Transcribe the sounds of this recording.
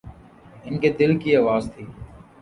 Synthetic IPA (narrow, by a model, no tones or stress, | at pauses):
ɪnkeːd̪ɪlkiːaːʋaːzt̪ʰiː